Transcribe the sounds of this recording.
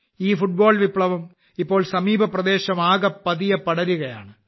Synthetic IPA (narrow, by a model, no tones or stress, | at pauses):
iːfuʈ̚boːɭʋipɭɐʋɐm | ipːo̞ːɭsɐmiːbʱɐprɐd̪e̞ːɕɐmaːɣɐpːɐðijɐpːɐɽɐɾuɣɐja̰ːɳɨ